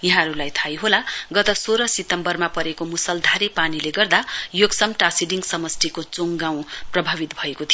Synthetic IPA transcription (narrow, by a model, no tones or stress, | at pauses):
jaɦãɾulajt̪ʰajɦolaɡʌt̪ʌsoɾʌsit̪ʌmbʌrmapʌɾekomusʌld̪ʱaɾepanileɡʌrd̪ajoɡsʌmʈasiɖiŋɡsʌmʌst̪ikot͡soŋɡãw̃prʌbʱabit̪bʱʌekot̪ʰijo